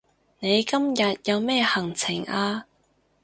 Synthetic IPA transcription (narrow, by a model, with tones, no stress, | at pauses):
ne˨˧jkɐ˥mjɐ˨t̚jɐ˨˧wmɛː˥˩hɐ˨˩ŋt͡sʰɪ˨˩ŋaː˧